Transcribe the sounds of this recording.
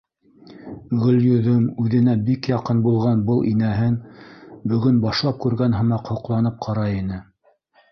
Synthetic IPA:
ʁɵ̆ljɵ̆ðɵmʉðɘ̆næbikjɑqɤnbulˠʁɑnbɤlˠʔinæɦɘnbɵ̆ɡɵnbɑʃlˠɑp̚kʉɾɡænɦɤ̆mɑqhŏqlˠɑnɤp̚qʰɑɾɑinɘ

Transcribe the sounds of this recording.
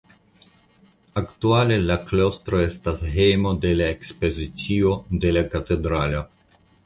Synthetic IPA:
aktuale̞laklo̞stɾo̞e̞stasɦejmo̞de̞laekspo̞zit͡sio̞de̞lakate̞dɾalo

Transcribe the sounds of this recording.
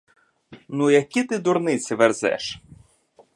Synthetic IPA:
nujɐkʲit̪ɪd̪ʊɾnɪt͡sʲɪʋerzɛ̰ʃ

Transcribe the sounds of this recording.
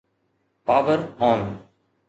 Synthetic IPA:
paːʋəɾɦɔ̃ːn

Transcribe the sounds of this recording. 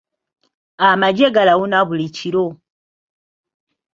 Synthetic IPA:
amad͡ʒeɡalawunaβulit͡ʃiɾo

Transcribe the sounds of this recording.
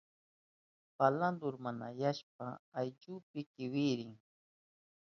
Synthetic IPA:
paland̪ʊɾmanajaʃp̚aːjt͡ʃʊːpɪkɪwɪɾɪŋ

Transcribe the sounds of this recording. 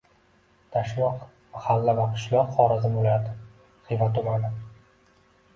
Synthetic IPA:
t̪ʰaʃlˠɒq | mahalːavaqʰɨ̥ʃlˠɒqχɒɾazɪmbolad̪ɪ | χɨjvat̪ʊmanɪ

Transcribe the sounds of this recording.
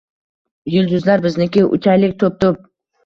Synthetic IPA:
jʊlˠd̪ʊzlaɾbɪznɪkʲɪʔʊ̰t͡ʃʰajlɪk̚ʲt̪ʰop̚t̪ʊp̚

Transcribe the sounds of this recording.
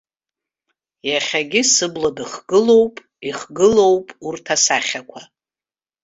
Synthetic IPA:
jaχʲaɡʲɪsɨbladɨχɡ̥ɨlo̞wpʼ | iχɡɨlo̞wpʼurtʰasaχʲakʷʰa

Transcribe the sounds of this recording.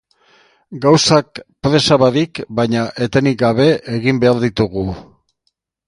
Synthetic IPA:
ɡawsak̚pɾe̞saβaðikbajɲaʔe̞t̪enik̚ɡaβe̞ʔeɣimbe̞aɾðit̪uɣ̞u

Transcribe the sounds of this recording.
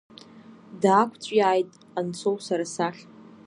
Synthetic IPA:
daːkʷʰʼt͡sʷʼjaːjtʼ | ant͡sʰo̞wsaɾasaɬ

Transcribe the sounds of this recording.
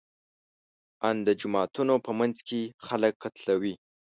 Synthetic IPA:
and̪əd͡ʒʊmɑt̪unopəmanzkexaləkːat̪lawi

